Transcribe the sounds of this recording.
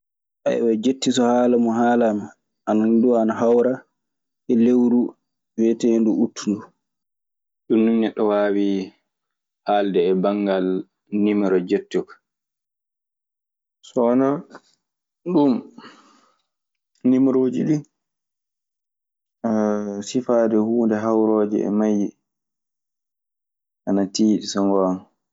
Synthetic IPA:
ʔa̰ɛ̰wɛd͡ʒetːisɔhaːlamɔɦaːlama | ʔanaduanaɦawɾa | ʔɛlewɾu | wɛtenduutʰːundu | ɗunːumnɛɗɔwaːwi | haldɛːbaŋɡal | nimɾɔd͡ʒetːukḁ | sɔna | ɗum | nimɾoːd͡ʒiɗu | sifaːdɛhuːndɛɦawɾɔːd͡ʒɛ̰ɛ̰maj | ʔanatiːɗisɔŋɡan

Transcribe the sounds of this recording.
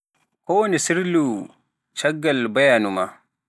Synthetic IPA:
kɔwonisiɾlu | t͡ʃɐɡːalbajanuma

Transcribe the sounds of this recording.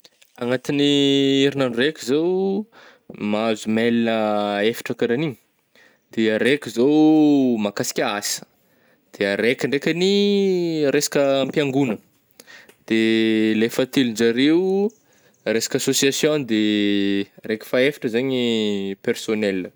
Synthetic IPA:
aŋat̪iniiɾinanurekʲizow | mazumelinəefi̥ʈ͡ʂəkaɾaniɲ | d̪̥eaɾekʲizowmakasi̥kʲaasə̥ | d̪̥eaɾekʲiɳɖ͡ʐekʲani | ɾesḁkʲəmpiaŋɡunə | d̪̥elefət̪eluɳd͡ʒaɾeu | ɾesḁkʲasosiasjõnd̪e | ɾekʲi̥faefi̥ʈ͡ʂəzaɲipersonelə

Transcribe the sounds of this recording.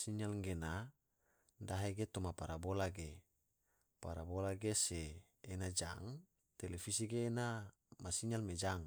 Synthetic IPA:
siɲalŋɡena | daɦeɡet̪omapaɾabolaɡe | paɾabolaɡeseː | nad͡ʒa̰ŋ | t̪elefisiɡeːna | masiɲalmed͡ʒaŋ

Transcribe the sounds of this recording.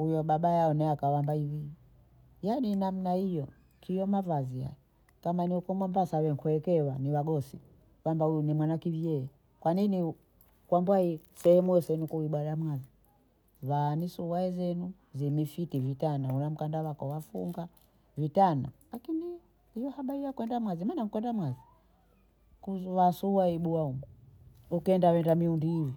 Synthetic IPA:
hujɔɓaɓajaɔnɛakawambaiwi | janinam̩naijɔ | kʰijɔmavaziha̰jɛ | kamaniukɔmɔmbasawɛŋkuɛkɛwaniwaɡɔsi | wambaujunimwanakivjɛɛ | kwanini | kwambwaisɛhɛmujɔsɛɛnukuiɓwalamwazi | βanisuwaɛzɛnu | zimifitivitanaunam̩kandawakɔwafṵŋɡa | vitana̰lakini | ijɔhaɓaɾijakwɛndamwazimanaŋkwɛndamwazi | kuwasuwaiɓuaumu | ukɛndawɛndamiundiːwi

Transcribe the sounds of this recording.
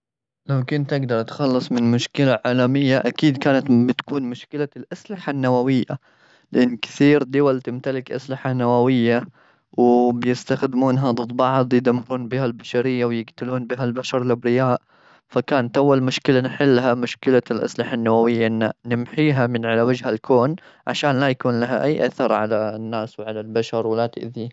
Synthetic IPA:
lawkʊnt̪ʔɪɡd̪ɑɾˤt̪xɑlːɨsˤmɪnmʊʃkɪlaʕaːlamɪjːaʔakiːd̪kaːnat̪bɪt̪kuːnmʊʃkɪlalʔaslɪħanːawawɪjːa̰ | lɪʔɪnːkɪ̥θiːɾd̪ʊwalt̪ɪmt̪alɪkʔa̰slɪħanːawawɪjːa | wɪbjɪst̪axd̪ɪmuːnɦad̪ˤɨd̪ˤbɑʕd̪ˤjɪd̪amːɪɾuːnbiːhalbaʃaɾɪjːawjɪɡt̪ɪluːnbiɦalbaʃɑɾˤlʔɪbɾɪjaːʔ | fakaːnat̪ʔawːalmʊʃkɪlanħɪlːɦamʊʃkɪlalʔa̰slɪħanːawawɪjːaʔɪnːanɪmħiːɦamɪnʕalawad͡ʒhalkʰoːn | ʕa̰ʃaːnlajakuːnlaɦa̰ʔajːʔaθɑɾˤʕalanːaːswʕalalbaʃɑɾˤwɪlat̪ɪ̰ʔði

